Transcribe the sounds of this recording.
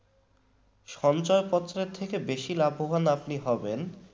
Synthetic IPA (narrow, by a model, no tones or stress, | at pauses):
ʃɔnt͡ɕɔepɔt̪ːʃɾeɾt̪ʰekebeʃilabʱːoɦanapniɦɔben